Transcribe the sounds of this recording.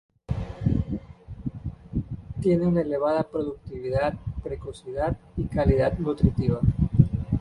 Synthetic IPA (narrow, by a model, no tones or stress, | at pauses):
t̪jeneunaeleβ̞að̞apɾoðuk̚t̪iβ̞iðat̪̚pɾekosiðat̪̚ikaliðat̪nut̪ɾit̪iβ̞a